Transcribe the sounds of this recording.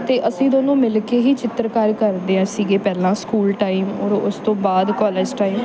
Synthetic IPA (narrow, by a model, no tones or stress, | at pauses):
t̪eːʔəsĩːd̪oːnũːmɪlkeːɦiːt͡ʃɪt̪ɾkaːɾkəɾd̪eːɦãːsiːɡeːpɛːlãːskuːlʈaːimɔːɾʊst̪õːbaːd̪kɔːleːd͡ʒʈaːiːm